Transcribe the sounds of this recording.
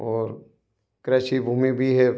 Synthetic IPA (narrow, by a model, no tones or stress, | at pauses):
ɔːɾ | kɾɛːʃibʱuːmibʱiɦɛ